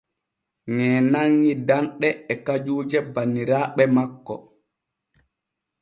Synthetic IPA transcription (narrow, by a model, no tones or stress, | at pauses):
ŋɛːnaŋːidanɗɛːkad͡ʒuːd͡ʒɛbanːiɾaːɓɛmakːɔ